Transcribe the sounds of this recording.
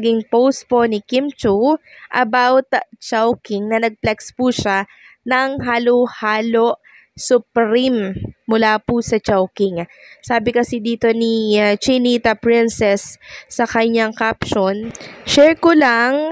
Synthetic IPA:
ɡɪŋpowst̪̚ponɪkimt͡ʃuʔɐbawt̪t͡ʃawkɪŋnɐnɐɡ̚plɛkspuʃa | nɐŋɦaːlohaːloʔ | sʊpɾimːʊlaːpusɐt͡ʃawkɪŋsaːbɪkɐsid̪iːt̪onit͡ʃɪniːt̪ɐpɹɪnsɛsːɐkɐɲaŋkapʃonʃɛɹkolaŋ

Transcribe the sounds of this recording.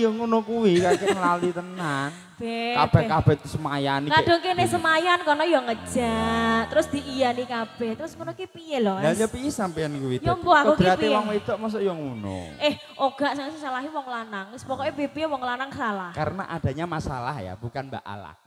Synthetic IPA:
jɔŋunokuwikakeŋlalut̪ənan | b̥ɛkab̥ɛkab̥ɛt̪u̥səmajanikad̥ɔŋkenɛhsəmajankɔrnɔjɔŋə̥d͡ʒaʔt̪əɾʊsd̪̥iʔijanikab̥ɛht̪əɾʊsŋunokepijelɔdalɲapiesampiankuwitj̪ɔŋboakəok̪əɾat̪ewaŋwed̪ɔʔmas̬ɔʔjɔŋuno̰ʔɛh | ʔoɡ̥a̤ʔsaŋasəsalaɦiwɔŋlanaŋsə̥pɔkɔebepiwɔŋlanaŋsalahkaɾəna̰ʔad̥a̤ɲamasa̰la̰hja̰b̥ukanba̰ʔa̰la̰h

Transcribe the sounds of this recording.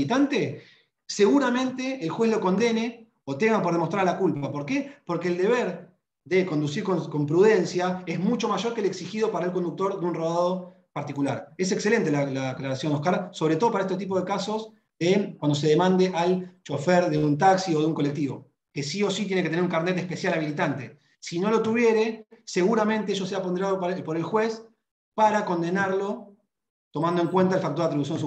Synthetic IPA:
it̪ant̪e | se̞ɣuɾamẽ̞nt̪e̞ːlxwe̞slo̞ko̞nd̪e̞ne̞ | ot̪emapo̞ɾðemost̪ɾaɾalakulpapo̞ɾkepo̞ɾkeːld̪e̞βeɾ | ðe̞ko̞nd̪usiɾkoko̞mpɾuð̞e̞nsjaezmut͡ʃo̞maʒo̞ɾkeleksixið̞o̞paɾaelko̞nd̪uk̚t̪o̞ɾðeunroðaðo̞ | paɾt̪ikulaɾe̞s̬ekse̞le̞nt̪e̞lalaeklaɾasjo̞nohkaɾso̞βɾet̪o̞ðopaɾaet̪et̪ip̬o̞ðe̞kaso̞z | ðekwand̪o̞s̬e̞ðemãnd̪e̞ʔalt͡ʃo̞feɾðeunt̪aksio̞ðuŋkole̞k̚t̪iβo̞̰ | kesio̞sit̪je̞neket̪eneɾuŋkaɾnet̪e̞hpe̞sjalaβilit̪ant̪e̞ | sino̞lo̞t̪uβje̞ɾe̞se̞ɣuɾamẽ̞nt̪e̞eʃo̞seapo̞nd̪eɾaðoppo̞ɾe̞lxwe̞s | paɾako̞nd̪e̞naɾlo̞ | t̪o̞mãnd̪oe̞ŋkwent̪aelfak̚t̪oɾðt̪ɾius̬jod̪su

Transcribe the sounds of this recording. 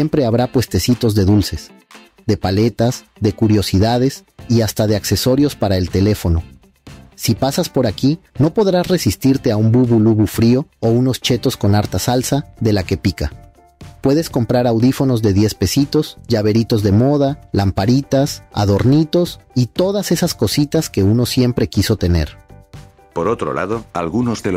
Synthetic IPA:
empɾe̞aβɾapwe̞st̪e̞sit̪o̞zðe̞ðulse̞s | ðe̞pale̞t̪az | ðe̞kuɾjo̞siðað̞e̞siast̪aðe̞akse̞so̞ɾjo̞spaɾae̞lt̪e̞le̞fo̞no̞ː | ipasaspo̞ɾaki | no̞po̞ðɾasre̞sist̪iɾt̪e̞aumbuβuluβufɾio̞ouno̞st͡ʃe̞t̪o̞sko̞naɾt̪asalsaðe̞lake̞pika̰ | pwe̞ðe̞sko̞mpɾaɾawðifo̞no̞zðe̞ðje̞spe̞sit̪o̞z̥ʝaβ̞e̞ɾit̪o̞zðe̞mo̞ð̞alampaɾit̪asa̰ð̞o̞ɾnit̪o̞sit̪o̞ð̞ase̞sasko̞sit̪aske̞uno̞sje̞mpɾe̞kiso̞t̪e̞ne̞̰ɾ | poɾot̪ɾo̰lʔa̰ðoa̰lɣunozðel

